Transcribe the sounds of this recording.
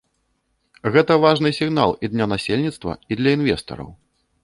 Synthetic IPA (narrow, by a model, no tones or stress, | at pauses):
ɣɛt̪ɐvaʐnɨsʲiɣna̰lˠid̪nʲanasʲelʲnʲit̪st̪vɐ̰id̪lʲɐinvʲɛst̪ɐ̰ɾɐ̰w